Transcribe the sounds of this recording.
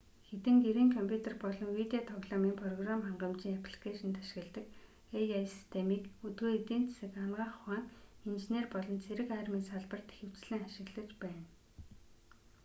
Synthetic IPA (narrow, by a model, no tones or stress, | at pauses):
xet̪ɘ̆ŋɡeɾiːŋkʰɔmpʲʰut̪ʰerpɔɮɞ̆ŋwit̪eot̪ʰɔɣɮɔmiːmpʰrɔɣramχaɴɢə̆mt͡ɕiːŋap̆ʰɮkeːʃɪ̆nt̪ʰḁʃ̆ɣɘ̆ɮt̪ɘ̆k | ejajsi̥st̪ʰemiːkɵt̪ɡoːet̪iːn̥t͡sʰesɘ̆kamɢaːχwaːnint͡ɕineːrpɔɮɞ̆nt͡sʰeɾɘ̆kæːrmiːŋsaɮpə̆r̥t̪e̥xɘ̆w̥t͡sɮɘ̆ŋaʃɪ̆ɣɮə̆t͡ɕpæːn